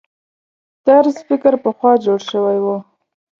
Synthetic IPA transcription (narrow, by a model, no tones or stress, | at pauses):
t̪aɾsfɪkəɾpəxwɑd͡ʒoɽʃəwajwo